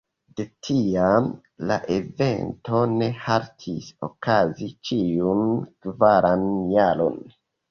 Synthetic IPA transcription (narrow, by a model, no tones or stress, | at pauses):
de̞tʰiam | la̰ʔe̞ve̞̰nto̞ne̞haɾtʰiso̰kazit͡ʃiunkvaɾʔanjaɾo̰n